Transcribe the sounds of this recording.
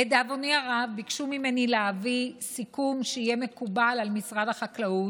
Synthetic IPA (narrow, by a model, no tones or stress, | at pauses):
ed̪avoniaʁavbikʃumime̞nileavisikumʃeijeme̞kubalalmisʁad̪haχaklau